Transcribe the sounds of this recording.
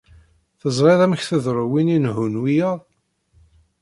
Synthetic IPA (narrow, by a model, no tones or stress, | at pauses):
θəzˤɾˤeðˤæmçθəðɾˤʊwininɦunwijəðˤ